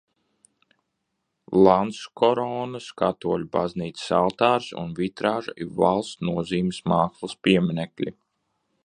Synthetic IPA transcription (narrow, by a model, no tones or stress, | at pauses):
lˠanskʰɔɾɔːnɐskat̪uɔlʲuba̰zniːt̪ssalˠt̪aːɾsṵnvit̪ɾaːʒa̰iva̰lˠst̪nuɔziːmsmaːkslˠɐspiɛminɛklʲḭ